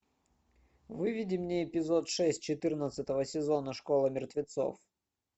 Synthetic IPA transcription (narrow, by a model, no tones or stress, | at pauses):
vɨvʲɪdʲɪmnʲeɪpʲɪzot̪ʂɛsʲtʲt͡ɕɪt̪ɨrnət̪sɨt̪əvəsʲɪzo̞nəʂkolˠəmʲɪrt̪vʲɪt̪so̰f